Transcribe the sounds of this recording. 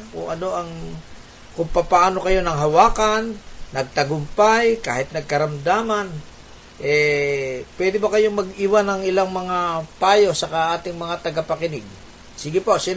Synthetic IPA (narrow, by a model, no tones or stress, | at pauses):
kʊ̰ŋʔɐno̞ʔɐŋ | kʊŋpɐpɐʔaːno̞kɐjo̞nɐŋɦɐwaːkanːɐɡ̚t̪ɐɡʊmpajka̰ːhɪt̪̚nɐɡ̚kɐɾɐmd̪aːman | ʔɛ | pwɛd̪ɪbɐkɐjo̞ŋmɐɡiːwanɐŋʔɪlaŋmɐŋapaːjo̞sɐkaʔaːt̪ɪŋmɐŋat̪ɐɡɐpɐkɪnɪɡ̚ | siɡɪposɪ